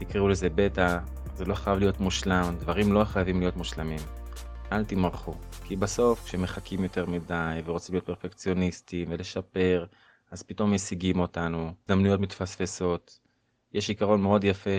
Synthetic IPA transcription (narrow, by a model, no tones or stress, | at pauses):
t̪ikʁiulezebe̞t̪a | zelo̞χajavlijo̞t̪muʃlamd̪vaʁimlo̞χajavimlijo̞t̪muʃlamimʔalt̪imaʁχukʰibaso̞fkʃemeχakʰimjo̞t̪e̞ʁmidajveʁot͡simlijotpeʁfekt͡sijo̞nist̪imvele̞ʃape̞ʁ | azpito̞mːesiɡimo̞tanuzd̪amnujo̞tmit̪fasfeso̞t̪ | jeʃikaʁo̞nmeo̞djafe